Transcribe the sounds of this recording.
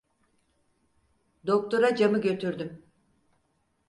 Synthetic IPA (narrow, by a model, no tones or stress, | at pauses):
d̪o̞k̚t̪ʰo̞ɾad͡ʒamɯɟø̞t̪ʰyɾd̪ym